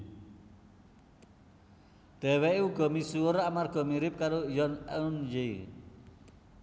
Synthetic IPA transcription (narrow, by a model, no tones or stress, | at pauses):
d̪̥ɛ̤wɛuɡ̥ɔ̤misuoɾaʔmarɡ̥ɔ̤miɾɪp̚kaɾojɔnɛunjei